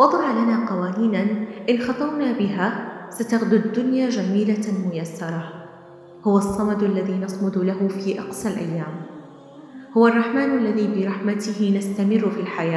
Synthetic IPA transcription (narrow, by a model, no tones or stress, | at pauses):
wɑd̪ˤɑʕlanaːqɑwaːniːnanʔɪnxɑt̪ˤɑwnaːbɪɦaːsat̪aɣd̪ʊd̪ːʊnjad͡ʒamiːlamʊjasːɑɾˤɑ | hʊwɑsˤːɑmɑd̪ʔalːaðiːnɑsˤmʊd̪laɦʊfiːʔɑqsalʔa̰jːaːm | hʊwarˤːɑħmaːnʔalːaðiːbɪɾˤɑħmat̪ɪɦɪnast̪amɪrːfilħajaː